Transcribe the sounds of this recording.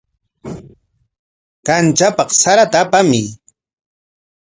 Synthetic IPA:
kant͡ʃapɑqsaɾat̪aːpamɪ

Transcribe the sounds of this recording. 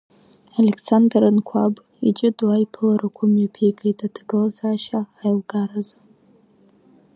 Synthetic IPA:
aleksandrɨnkʷʰab | it͡ʃʼɪdajipʰɨlaɾakʷʰʊmjapʰeɡʼejtʰadɡɨlazaːʃaːjlɡaɾaz

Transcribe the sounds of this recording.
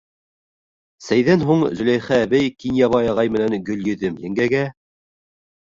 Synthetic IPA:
sæjðænɦuɴzɵ̆læjχæːβæjkinjɑβɑjɑʁɑjmɘ̆nænɡɵ̆ljɵ̆ðɘmjɘ̆ŋɡæɡæ

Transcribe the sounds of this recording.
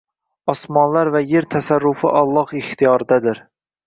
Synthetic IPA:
ɒsmɒnlˠaɾvæjeɾt̪ʰæsaɾːʊfɪ̰ʔɑlˠːɑhɪχt̪ʰijɒɾɪd̪ad̪ɪɾ

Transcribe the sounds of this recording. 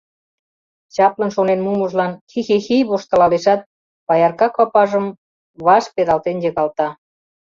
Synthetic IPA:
t͡ɕɑplə̆nʃonenmumuʒlɑnxixixiβoʃt̪ə̆lɑleʃɑt̪̚ | pɑjɑrkɑkɑpɑʒə̆m | βɑʃpeðɑlt̪enjə̆ɣɑlt̪ɑ

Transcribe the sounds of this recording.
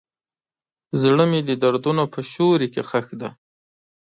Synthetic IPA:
zɽəmed̪əd̪aɾd̪unopəʃoɾikexaxd̪a

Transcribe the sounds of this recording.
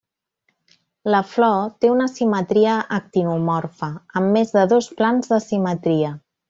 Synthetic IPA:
ləflɔt̪eunəsimət̪ɾiəʔːk̚t̪inumɔrfəəmːezðəðosplanzðəsimət̪ɾiə

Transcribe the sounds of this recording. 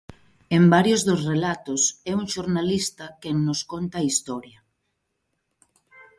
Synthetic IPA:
embaɾjozðʊsrelat̪ʊsɛuŋʃoɾnalist̪ɐkeŋnʊskont̪ɐːist̪ɔɾjɐ

